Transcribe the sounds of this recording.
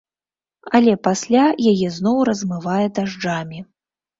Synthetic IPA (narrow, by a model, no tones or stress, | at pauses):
ɐlʲɛpasʲlʲajajɛznɔwɾɐzmɨvajɛd̪aʐd͡ʐamʲi